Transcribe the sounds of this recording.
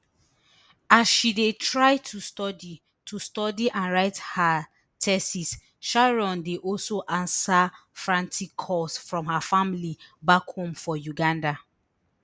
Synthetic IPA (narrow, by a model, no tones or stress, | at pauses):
asʃidetʰɹaɪtʰustɔdi | tʰustɔdiʔãnɹaɪtha | tʰɛsis | ʃaɹɔ̃ndeʔɔlsoʔãnsafɹãntikʰɔsfɹɔ̃mhafamilibakhõmfɔjuɡãnda